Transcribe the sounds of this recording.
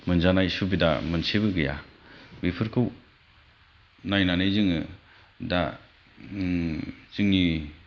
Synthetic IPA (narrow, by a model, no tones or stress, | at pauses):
mɯnzanajsubidamɯnseβɯɡɯja̰bipʰɯɾkʰɯw | najnanajzɯŋɯ | da | zɯŋni